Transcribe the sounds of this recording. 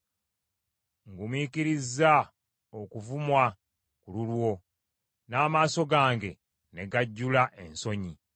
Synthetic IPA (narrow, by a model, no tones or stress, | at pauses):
ŋɡumwiːkiɾizːa | okuvumwa | kululwo̞ | naːmaːso̞ɡaːŋɡe̞ | ne̞ɡaɟːulaʔe̞nso̞ɲi